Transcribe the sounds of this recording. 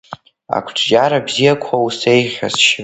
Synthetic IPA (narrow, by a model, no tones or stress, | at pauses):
a̰kʷʰʈ͡ʂʷʰʼd͡ʒaɾabzijakʷʰause̞jʁʲa̰zʃ